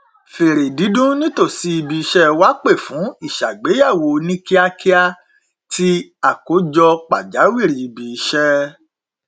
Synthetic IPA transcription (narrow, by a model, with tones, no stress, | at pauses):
fe˨ɾe˨di˨˦dũ˦nĩ˦to˦˨si˧˦i˧bi˧i˧ʃɛ˧˦wa˦k͡pe˦˨fũ˨˦i˦˨ʃa˨ɡ͡be˨˦ja˦˨wo˧˨nĩ˦ki˦a˧ki˦a˧ | tʰi˦a˦˨ko˨˦d͡ʒɔ˧k͡pa˨d͡ʒa˨˦wi˦˨ɾi˨˦i˨bi˧˨i˧ʃɛ˧